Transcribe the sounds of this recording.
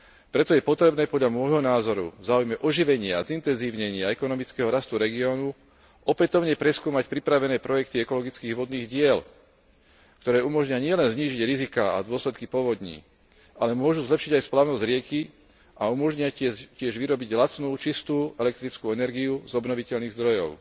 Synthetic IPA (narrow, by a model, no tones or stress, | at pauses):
pɾɛt̪ɔjɛpɔt̪ɾɛbnɛːpɔd̪ʎamɔjɦɔnaːzɔɾṵvzaːujmɛʔɔʒiʋɛɲɪaazint̪ɛnziːʊɲɛɲɪaɛkɔnɔmit͡skɛɦɔɾast̪uɾɛɡiɔːnu | ɔpɛt̪ɔʊɲɛpɾɛskuːmacpɾipɾaʋɛnɛːpɾɔjɛk̚t̪iɛkɔlɔɡit͡skiːɣʋɔd̪niːɣɟɪɛl | kt̪ɔɾɛːumɔʒɲɪaɲɪɛlɛnzɲiːʒiɟɾizikaːa̰d̪ʊɔslɛt̪kipɔʋɔd̪ɲḭː | ʔalɛmʊɔʒuzlɛpʃiɟajsplaːʊnɔzɟɾɪɛki | aumɔʒɲɪaɛcɪɛʒʋiɾɔbiɟɦlat͡snuːt͡ʃist̪uːɛlɛk̚t̪ɾit͡skuɛnɛɾɡiuzɔbnɔʋicɛʎniːɣzd̪ɾɔjɔ̰ʊ